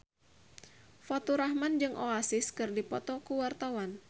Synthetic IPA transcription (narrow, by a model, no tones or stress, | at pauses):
fɔt̪uɾahmand͡ʒɨŋʔoasɪskɨrdipɔt̪ɔkuwart̪awan